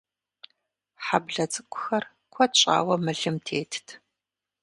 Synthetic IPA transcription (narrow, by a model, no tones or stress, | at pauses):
ħabɮɐt͡sʼɨkʷʰʼʊ̥xɐr | kʷʰɔt͡ʃʼa̰ːwɐmɨɮɨmtʰeːtʰtʰ